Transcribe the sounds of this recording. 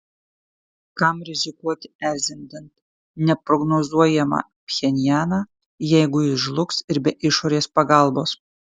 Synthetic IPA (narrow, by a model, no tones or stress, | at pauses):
kɑmɾʲɛzʲɪkuɔt̪ʲɪæɾʲzʲɛnʲd̪ʲɛnt̪ | nʲɛpɾɔɡnozuɔjɛmɑ̰ | pʲxʲɛnʲjæːnɑː | jɛɪɡʊjɪʒlˠʊksɪɾbʲɛʔɪʃoːɾʲeːspɐɡɑˑlˠboːs